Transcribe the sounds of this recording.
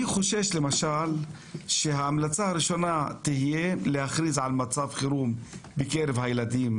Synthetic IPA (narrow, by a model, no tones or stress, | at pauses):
iχoʃeʃle̞maʃal | ʃeɦaːmlat͡sahaɾiʃo̞nat̪ihijelehaχɾizʕalmat͡savχiɾumbekeɾevhajelad̪im